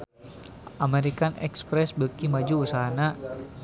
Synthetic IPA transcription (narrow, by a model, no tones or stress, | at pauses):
ʔameɾikanɛ̰kspɾɛsbəkimad͡ʒuːsaɦana